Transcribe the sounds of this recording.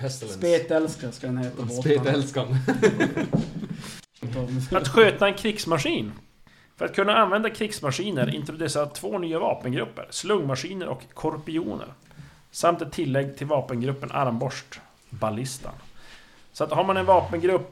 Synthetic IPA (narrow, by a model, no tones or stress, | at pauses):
speːt̪ɛlskaskɛnheːt̪aboeːt̪ɛlskan | at̪ɧøːt̪aɛnkʰɾɪksmaʂiːn | fœɾat̪̚kʰɵnːaanvɛnd̪akʰɾɪksmaʂiːnəɾɪ̰nt̪ɾʊd̪ɛsat̪ʰvoːnyːavɑːpənɡɾɵpːə̰ɾslɵŋːmaʂiːnəɾʔɔ̰kʰːɔɾpɪṵːnə̰ɾ | samt̪ɛt̪ʰːɪlːɛɡːt̪ʰɪlvɑːpənɡɾɵpːənʔa̰ɾmbɔʂʈ | balɪst̪a̰n | sɔat̪haɾmanɛnvɑːpənɡɾɵpː